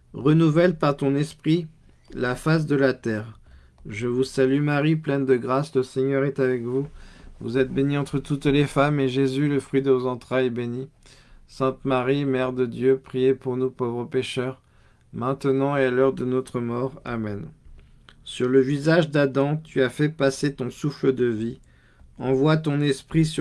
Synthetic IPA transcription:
ʁənuvɛlpaʁt̪ɔ̃nɛspχi | lafas̬d̪əlat̪ɛʁ | ʒəvusalymaʁiplɛnd̪əɡʁasləseɲœʁɛt̪avɛkvuvṵzɛt̪̚beniɑ̃t̪χət̪ut̪lefameʒezyləfχɥid̪əvozɑ̃t̪χajbenisɛ̃t̪maʁimɛʁd̪əd̪jøpχijepuʁnupovʁəpeʃœʁ | mɛ̃t̪ənɑ̃ealœʁd̪ənot̪χəmɔʁa̰mɛn | syʁləvizaʒd̪ad̪ɑ̃t̪yafɛpaset̪ɔ̃sufləd̪əvi | ɑ̃vwat̪ɔ̃nɛspχis

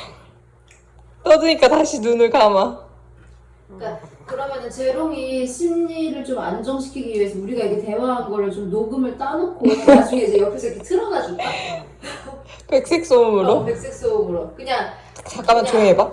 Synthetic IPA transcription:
t͈ʌdɯɲik͈ataɕʰinunɯɭkama | kakɯɾʌmjʌnɯnt͡ɕe̞ɾoŋiɕʰinːiɾɯɭt͡ɕomand͡ʑʌŋɕʰi̥kʰiɡiuɦesʰʌuɾiɡaiɡe̞te̞waɦanɡʌɾɯɭt͡ɕomnoɡɯmɯɭt͈anokʰoead͡ʑuɡeid͡ʑe̞jʌkʰisʰʌikʰetʰɯɾʌnad͡ʑua | pe̞k̚s͈ek̚s͈omɯɾopek̚s͈ek̚s͈omɯɾokɯɲaŋ | t͡ɕak͈amant͡ɕoeba

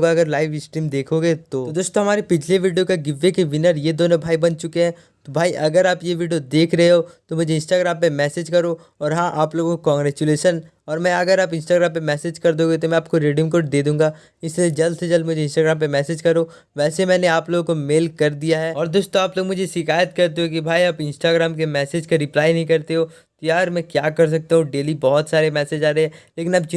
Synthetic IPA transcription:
ɡaɐɡəɾlaːɪʋɪsʈɾiːmd̪eːkʰoːɡet̪oːod̪oːst̪õɦɐmaːɾepɪd͡ʒʰleʋiːɖijokaɡɪʋːekeʋɪnəɾjed̪oːnobʱaːibɐnt͡ʃʊkeɦɛ̃ː | t̪obʱaːiʔɐɡəɾaːpjeʋiːɖijod̪eːkʰɾɐɦeɦoːt̪omʊd͡ʒʱeɪ̃nsʈaːɡɾaːmpemɛːseːd͡ʒkɐɾo | ɔːɾɦãʔaːploːɡõkokɔ̃ːŋɡɾɛːt͡ʃuleːʃən | ɔːɾmɛ̃ɐɡəɾaːpɪ̃nsʈaːɡɾãːmpemɛːseːd͡ʒkɐɾd̪õːɡet̪̬omɛ̃aːp̚koɾeːɖijə̃mk̬oːʈ̚d̪eːd̪ũːŋɡaː | ɪslied͡ʒɐld̪sed͡ʒɐlmʊd͡ʒʱeɪ̃nsʈaːɡɾaːmpemɛːseːd͡ʒkɐɾo | ʋɛːsemɛ̃ːneaːploːɡõkomeːlkɐɾd̪ijaɦɛːɔːɾd̪ʊst̪õaːploːɡmʊd͡ʒʱeʃɪkaːjət̪kɐɾt̪̬eɦokibʱaːiaːpɪ̃nsʈaːɡɾaːmkemɛːseːd͡ʒkaɾɪplaːinɐɦĩkɐɾt̪eɦoː | t̪ojaːɾmɛ̃kjaːkɐɾs̬ɐk̚t̪aɦũɖeːlibɔːt̪saːɾemɛːsed͡ʒaːɾɐeɦɛ̃ːleːkɪnɐbt͡ʃ

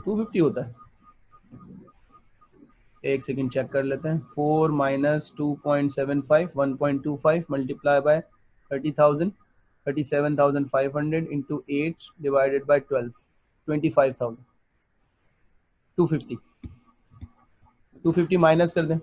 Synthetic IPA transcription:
ʈuːfɪfʈiɦoːt̪aɦɛ | eːksɛk̬ə̃ɳɖt͡ʃɛkːɐɾleːt̪eɦɛ̃foːɾmaːɪnəsʈuːpɔ̃ːɪ̃ɳʈsɛʋə̃nfʰaɪʋʋɐ̃npɔ̃ːɪ̃ɳʈːuːfaɪʋməlʈɪplaːɪbaɪ | t̪ʰəɾʈiːt̪ʰaʊzə̃ɳɖ | t̪ʰəɾʈiːsɛʋə̃nt̪ʰaʊzə̃ɳɖfaːɪʋɦɐ̃ɳɖɾeɖɪ̃ɳʈuʔeːʈɖɪʋaːɪɖeɖ̚baɪʈʋɛlʋ | ʈwɛ̃ɳʈiːfaːɪʋt̪ʰaʊzə̃ɳɖ | ʈuːfɪfʈi | ʈuːfɪfʈimaːɪnəskɐɾt̪ẽɦɛ̃

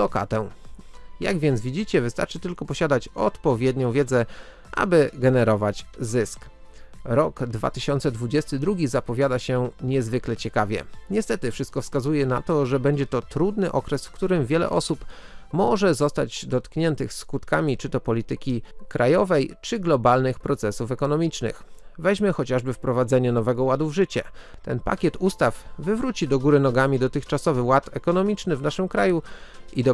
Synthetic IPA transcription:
lɔka̰t̪ɛ | ja̰ɡvʲjɛnd̪vʲid͡ʑit͡ɕɛvɘst̪aɾt͡ʂɘt̪ɘlkɔpɔɕad̪at͡ɕɔt̪pɔvʲjɛd̪ɲɔ̃w̃vʲjɛd̪zɛ | ʔa̰bɘɡɛnɛɾɔvat͡ɕzɘsk | ɾɔɡd̪va̰t̪ɘɕɔnt̪sɛd̪vud͡ʑɛst̪ɘd̪ɾuɡʲizapɔvʲjad̪aɕɛɲɛzvɘklɛt͡ɕɛkavʲjɛ̰ɲɛst̪ɛt̪ɘfʂɘst̪̚kɔfskazujɛna̰t̪ɔʐɛbɛɲd͡ʑɛt̪ɔt̪ɾud̪nɘʔɔkɾɛsfkt̪uɾɘmvʲjɛlɛ̰ʔɔsup | mɔʐɛzɔst̪ad͡ʑd̪ɔt̪kɲɛnt̪ɘxskut̪kamʲit͡ʂɘt̪ɔpɔlʲit̪ɘkʲikɾajɔvɛjt͡ʂɘɡlɔbalnɘxpɾɔt̪sɛsufɛkɔnɔmʲit͡ʂnɘ̰xvɛʑmɛxɔt͡ɕaʐbɘfpɾɔvad̪zɛɲɛnɔvɛɡɔwad̪uvʐɘt͡ɕɛ̰ | t̪ɛnpa̰kʲɛt̪ust̪afvɘvɾut͡ɕid̪ɔɡuɾɘnɔɡamʲid̪ɔt̪ɘxt͡ʂasɔvɘwat̪ɛkɔnɔmʲit͡ʂnɘvnaʂɘmkɾajuid̪ɔ

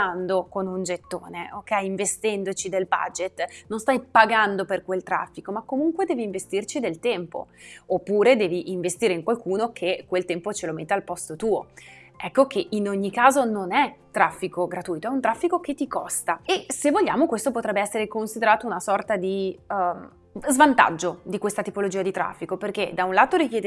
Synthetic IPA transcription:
and̪okonund͡ʒet̪ːoːneʔokːɛjiɱvest̪ɛnd̪ot͡ʃid̪elba̰d͡ʒet̪ːnonst̪ajpaɡand̪operkwelt̪ɾa̰fːikomakːomuŋkwed̪ɛːviːɱvest̪irt͡ʃid̪elt̪ɛmpo̰opːuːɾed̪ɛːviʔiɱvest̪iːɾeiŋkwalkuːnokʰekːwelt̪ɛmpot͡ʃelomet̪ːealpɔst̪ot̪uːo | ɛkːokʰeʔinoɲːikaːzononɛt̪ːɾafːikoɡɾat̪uːjt̪oɛunt̪ɾafːikok̟et̪ːikɔst̪aesevːoʎːaːmokwest̪opot̪ɾɛbːeɛsːeɾekonsid̪eɾaːt̪ounasɔrt̪ad̪im | zvant̪a̰d͡ʒːod̪ikwest̪at̪ipolod͡ʒiːad̪it̪ɾa̰fːikoperked̪aunlaːt̪oɾikjɛːd̪e

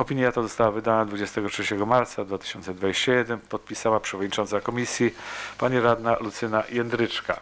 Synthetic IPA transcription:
ɔpʲiɲjat̪ɔzɔst̪awavɘd̪anad̪vud͡ʑɛst̪ɛɡɔtʂɛt͡ɕɛɡɔmaɾt̪sad̪vat̪ɘ̥ɕɔnt̪sɛd̪vad͡ʑeɕt͡ɕajɛd̪ɛnpɔt̪̚pʲisawapʂɛvɔd̪ɲʲit͡ʂɔnt̪sakɔmʲisʲjipaɲiɾad̪nalut̪sɘnajɛnd̪ɾɘt͡ʂka̰

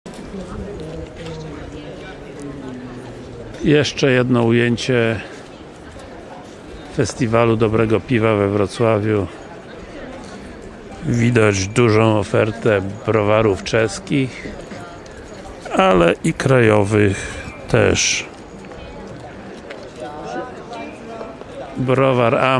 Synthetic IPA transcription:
jɛʂt͡ʂɛjɛd̪nɔujeɲt͡ɕɛ | fɛst̪ʲivalud̪ɔbɾɛɡɔpʲivavɛvɾɔt̪swavʲju | vʲid̪ad͡ʑd̪uʐɔ̃w̃ɔfɛɾt̪ɛbɾɔvaɾuft͡ʂɛskʲix | alɛʔikɾajɔvɘxt̪ʰɛ̰ʂ | bɾɔvaɾa

